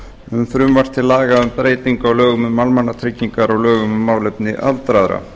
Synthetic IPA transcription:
ʏmfɾʏmvar̥t̪ʰɪlːaːɣaʏmpɾeːjt̪iŋkawlœːɣʏmmalmanːat̪ʰɾɪcːiŋkaɾaɣlœːɣʏmʏmaːwlɛpnɪʔa̰lt̪ɾaðɾa̰

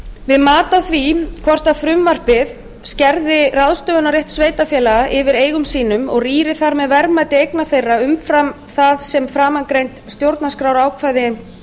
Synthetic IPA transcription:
vɪðmaːt̪aθvikʰvɔr̥t̪aðfɾʏmːar̥pɪð | scɛɾðɪraðst̪œɣʏnaɾrjeht̪sveːjt̪afjɛːlaɣaʔɪvɪɾeːjɣʏmsiːnʏmɔɣriːɾɪθaɾmɛðvɛɾmajt̪ɪejknaθejraʏmfɾam | θaðsɛmfɾaːmankɾejnt̪st̪jowɾt̪naskɾawɾaːwkʰvaːjðɪ

